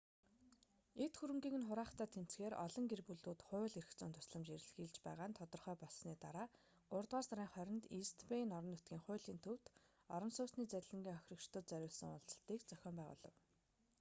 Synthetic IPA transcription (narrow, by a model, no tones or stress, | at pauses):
et̪xuɾɘ̆ŋɡiːŋɘ̆nχʊɾaːχt̪ʰæːt̪ʰem̥t͡sɡeːɾɔ̰ɮɞ̆ŋɡerpuɮuːt̪χʊːɮerɘ̆xt͡sʊːnt̪ʰʊ̥sɮə̆mt͡ɕeɾʲɘ̆ɮxiːɮt͡ɕpæːʁaːnt̪ʰɔt̪ɞ̆rχœːpɔɮsniːt̪aɾaː | ʊrt̪ʁaːsaɾiːŋχœɾʲɪ̆nt̪ist̪ʰpenɔɾɞ̆nːʊt̪ɡʲiːŋχʊ̟ːɮiːnt̪ʰɵw̥t̪ | ɔɾɞ̆nsʊːsniːt͡sæɾʲɮə̆ŋɡʲiːŋœxʲrə̆kt͡ɕt̪ə̆t̪t͡sæɾʲʊːɮsə̆ŋʊɮt͡sɞ̆ɬt̪iːkt͡sœxʲɔːmpæːʁʊ̰ːɮɞ̆w